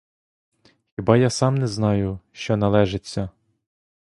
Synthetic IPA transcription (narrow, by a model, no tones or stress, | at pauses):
xʲibɑjasɑmnɛznɑjʊʃt͡ʃɔnɐlˠɛʒet͡sʲːɐ